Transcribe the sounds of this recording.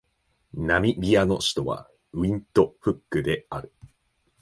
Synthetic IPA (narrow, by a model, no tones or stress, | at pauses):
namʲibʲiano̞ɕi̥t̪o̞βa̰ | ɯ̟ĩnt̪o̞ɸɯ̟kːɯ̟d̪e̞aɾɯ̟